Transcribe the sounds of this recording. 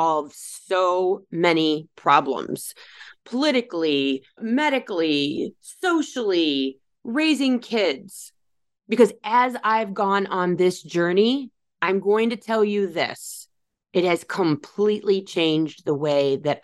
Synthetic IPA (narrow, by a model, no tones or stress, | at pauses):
ʌv̥soʊmɛnipʰɹ̥ɑblə̰̃mz̥pʰəlɪɾɨklimɛɾɨkl̩i | soʊʃl̩ˠi | ɹeɪzɪ̃ŋkʰɪdz̥ | b̥ɨkʌzɨzaɪvɡɔ̃nə̃nðɪsd̥ʒ̥ɜ˞ni | ãɪ̃mɡoʊɪ̃ŋtɨtʰɛlˠjɨðɪ̰s | ɨt̚hɨz̥kʰə̃mpʰl̥iʔˡlit͡ʃʰẽɪ̃nd͡ʒðəweɪðɨt̚